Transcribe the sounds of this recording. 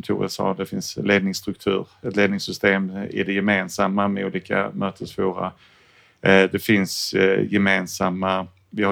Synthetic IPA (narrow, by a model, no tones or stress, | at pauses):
nt̪ʰṵːɾə̰sɑ̰ːd̪ɛfɪnsleːd̪nɪŋst̪ɾɵk̚t̪ʰʉ̟ːɾɛt̪leːd̪nɪŋsʏst̪eːmɪ̰dɛjɛmeːnsamːamɛuːliːka̰møːt̪ʰəsvuːɾa̰ | d̪ɛfɪnsjɛmeːnsamːa | vɪha